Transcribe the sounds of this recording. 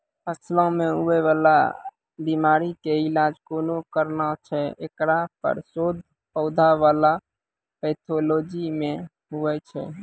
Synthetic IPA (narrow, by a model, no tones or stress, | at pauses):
pʰəslɔ̃meɦuɛβala̰ | bimaɾikeilad͡ʒkonokəɾnat͡ʃʰɛḛkɾapə̰ɾsod̪̚ʱ | pəʊd̪ʱaʋala | pɛt̪ʰolod͡ʒime | ɦuɛt͡ʃʰɛ̰